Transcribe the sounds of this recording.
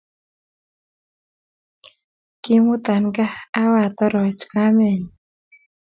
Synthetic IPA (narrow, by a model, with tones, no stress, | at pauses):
ki˦mu˦t̪a˨nɡa˦a˦wa˨t̪ɔ˦ɾɔ˨t͡ʃka˦mɛ˨ɲi˨